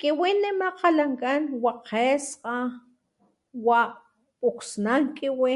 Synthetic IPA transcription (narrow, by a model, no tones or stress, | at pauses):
kʼewenːemaqʰalaŋkʼanwaqʰesqʼa | waʔ | pʼuksnaŋkʼewe